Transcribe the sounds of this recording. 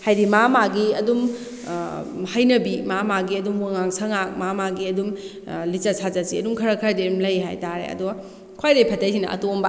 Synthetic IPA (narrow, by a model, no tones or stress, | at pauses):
hajdimamaɡiɐdum | hajnɐbimamaɡiɐdumwaŋaŋsɐŋak̚mamaɡiɐdum | lit͡ʃɐsʰazasiɐdumkʰɐɾɐkʰɐɾdiumlɐjɦa̰jtaɾḛɐ̰duɡɐ | kʰajdɐjpʰɐtajsinɐ̰ʔɐ̰tombɐ